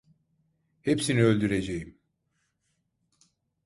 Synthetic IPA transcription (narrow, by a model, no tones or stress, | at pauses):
hepsiniø̞lʲd̪yɾe̞d͡ʒejim